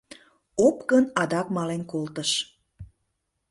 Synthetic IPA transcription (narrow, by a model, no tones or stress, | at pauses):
opkənɑd̪ɑkmɑlenkolt̪əʃ